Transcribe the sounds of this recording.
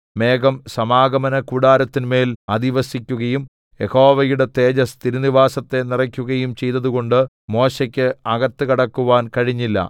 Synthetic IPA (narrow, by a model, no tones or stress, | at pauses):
me̞ːɡɐmsɐmaːɡɐmɐnɐkuɽaːɾɐt̪ːinme̞ːlɐd̪iʋɐsikʲːuɣɐjum | je̞ho̞ːʋɐjuɽe̞t̪e̞ːd͡ʑɐst̪ʰiɾuniʋaːsɐt̪ːe̞nirɐkʲːuɣɐjumt͡ɕe̞jt̪ːɐðuɣo̞ɳɖɨ | mo̞ːɕekʲːɨɐɡɐt̪ːɨɣɐɽɐkːuʋaːnkɐɻiɲːilːɐ̰